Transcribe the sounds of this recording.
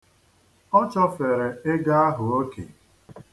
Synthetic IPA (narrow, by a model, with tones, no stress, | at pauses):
ɔ˦t͡ʃɔ˦fe˨ɾe˨ɪ˦ɡa˦a˦ɦʊ˨o˦kḛ˨